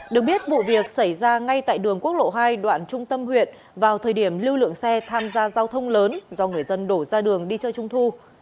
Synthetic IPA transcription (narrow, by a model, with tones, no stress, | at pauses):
ɗɨ˨˩ək̚ɓi˦˥ət̚vṵ˧˨vi˨˩ək̚sa˧˩jzaː˧ŋa˧jt̪a̰ː˧˨jɗɨ˨˩əŋku˦˥ək̚lo̰˧˨ɦaː˧jɗwa̰ː˧˨nt͡ɕʊ˧ŋ͡mt̪ə˧mhwḭ˧˨ən | vaː˨˩wt̪ʰəː˨˩jɗi˧˩əmli˧wlɨ̰˧˨əŋsɛ˧t̪ʰaː˧mzaː˧zaː˧wt̪ʰə˧wŋ͡mləː˨˦nzɔ˧ŋɨ˨˩əjzə˧nɗo˧˩zaː˧ɗɨ˨˩əŋɗi˧t͡ɕɔː˧t͡ɕʊ˧ŋ͡mt̪ʰu˧